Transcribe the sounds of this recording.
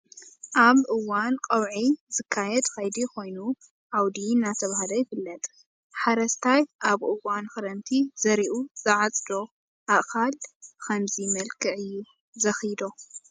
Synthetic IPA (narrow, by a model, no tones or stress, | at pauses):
ʔaβʔɨwːankʼɐwʕizɨkʰːajɛd̪kajd̪iko̞jnu | ʔʕawd̪inːat̪ʰɐβaɦalojɪfɨlːɐt̪ʼ | ħaɾɐst̪ʰajʔaβʔɨwːanxɨɾɐmt̪ʰiz̥ɐɾiʔuzɨʕat͡sʼd̪o̞ | ʔaʔkalkʰɐmzimɐlkʰɨʕɨjːu | zɐxjd̪o̞